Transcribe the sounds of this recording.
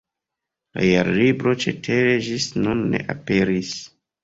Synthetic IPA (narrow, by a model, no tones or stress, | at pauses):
la̰jaɾlibɾo̞t͡ʃe̞tʰeɾe̞ʒisnunːe̞̰ʔape̞ɾis